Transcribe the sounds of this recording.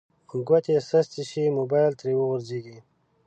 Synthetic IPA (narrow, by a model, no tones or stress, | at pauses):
ɡwat̪esɐst̪iɕimobajlt̪ɾewəɣʊɾzeɡi